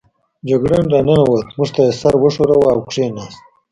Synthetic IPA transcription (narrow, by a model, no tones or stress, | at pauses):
d͡ʒaɡɽenɾananawat̪muʐt̪asaɾwəʂoɾawaawkʂenast̪̚